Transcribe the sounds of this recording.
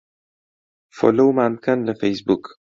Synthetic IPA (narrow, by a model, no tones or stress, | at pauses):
fo̰lowmankanlɪfejsbuk